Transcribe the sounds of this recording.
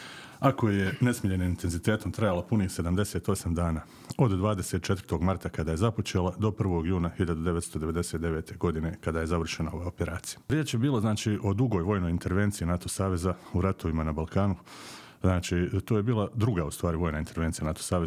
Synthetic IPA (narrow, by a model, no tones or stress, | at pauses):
ako̞je̞ne̞smiʎenimint̪e̞nzit̪e̞ːt̪o̞mt̪ɾajalapuniːxse̞d̪amd̪e̞se̞ːt̪o̞samd̪aːnaː | o̞d̪d̪ʋaːd̪ese̞t̪̚t͡ʃe̞t̪vər̥̩t̪o̞ɡmaɾt̪akad̪aːjezapo̞t͡ʃeːlad̪o̞pr̩ʋo̞ɡjuːnahiʎad̪ud̪eʋe̞t̪st̪o̞d̪e̞ʋe̞d̪e̞set̪d̪e̞ʋe̞ːt̪ʰe̞ɡo̞d̪ine̞kad̪aje̞zaʋr̩ʃenao̞ʋao̞peɾaːt̪sijḁɾjeːt͡ʃjebiːlˠoznaːt͡ʃiʔo̞d̪uɡo̞jʋo̞ːjno̞jint̪e̞ɾʋe̞ːnt̪siinat̪o̞saːʋe̞zauɾat̪o̞ʋimanabalkaːnu | znaːt͡ʃit̪oːje̞biːlˠad̪ɾuɡaust̪ʋaːɾiʋo̞ːjnaint̪ʰe̞ɾʋent̪sijanat̪o̥saːʋez